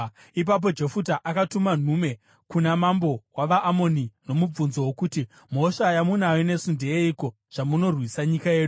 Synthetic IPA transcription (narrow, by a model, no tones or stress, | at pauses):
ip̬ap̬o̞d͡ʒe̞futaʔakatuman̤ume̞ | kunamambo̞waʋaʔːmo̞nino̞mub͡vunzo̞wokuti | m̤o̞ʂajamunawine̞sundeeiko̞ | ʐ̥amuno̞rwisaɲikaje̞ːɗuu